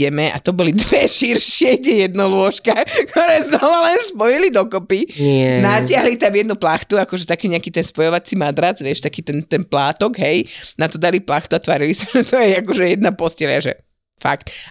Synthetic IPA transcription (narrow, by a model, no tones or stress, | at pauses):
ɛmɛʔa̰t̪ɔbɔlid̪ʋɛʃiɾʃɪɛiɟɛjɛd̪nɔlʊɔʃkakt̪ɔɾɛːznɔʋalɛnspɔjilid̪ɔkɔpiɛnacɪaɦlit̪amjɛd̪nuplaxt̪uakɔʒɛt̪akɛːɲɛakiːt̪ɛnspɔjɔʋat͡simad̪ɾad͡zʋɪɛʃt̪akiːt̪ɛnt̪ɛnplaːt̪ɔɡɦɛjnat̪ɔd̪aliplaxt̪uat̪ʋaɾilisaʒɛt̪ʰɔjɛakɔʒɛjɛd̪napɔscɛlia̰ʒɛ̰ | fa̰kt̪